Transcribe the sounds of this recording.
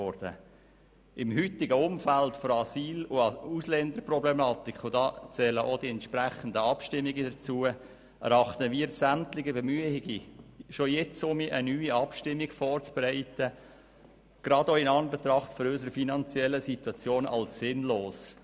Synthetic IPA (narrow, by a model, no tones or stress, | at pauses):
ɔɾd̥ə̰ | ʔɪmhyt̪ɪɡəʊmfæltfɔɾɑsiːlʊuslɛnd̪əɾprɔblɛmɑːt̪ikχʊdɑt͡sɛːləʔod̥iɛntʃpɾæχən̩d̪əɑpʃtɪmːiɡədəɾt͡suə | ɛ̰ɾɑχt̪əmiːɾsæmt̪lɪɡəbemyəhɪɡiʃojɛt͡sʊmiʔənyːiɑpʃtɪmːiɡfɔːrt͡sb̥ɛɾɛɪt̪ə | ɡ̥ɾɑdoɪnɑnbet̪ɾɑχtfɔɾøsəɾəfinɑnt͡sjɛlːəsit̪wɑt͡sjoːnɑ̰lssɪnloːs